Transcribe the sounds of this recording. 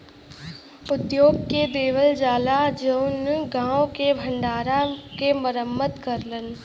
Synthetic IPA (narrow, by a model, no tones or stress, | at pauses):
ʊd̪joːɡ̚ked̪eːʋəld͡ʒaːlad͡ʒəʊnɡãːõkebʱə̃ɳɖaːɾakeməɾəmːət̪kəɾlən